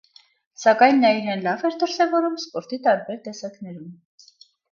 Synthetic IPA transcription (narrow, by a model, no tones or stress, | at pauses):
sɑkɑjnːɑiɾɛnlɑvɛɾd̪əɾsɛvɔɾumspɔɾt̪it̪ɑɾbɛɾt̪ɛsɑknɛɾum